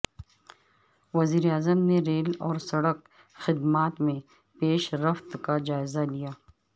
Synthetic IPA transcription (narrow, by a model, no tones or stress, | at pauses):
wɐziːɾeaːzəmneɾeːlɔːɾsɐɽək | xɪd̪maːt̪mẽ | peːʃɾɐft̪kad͡ʒaːɪzalijaː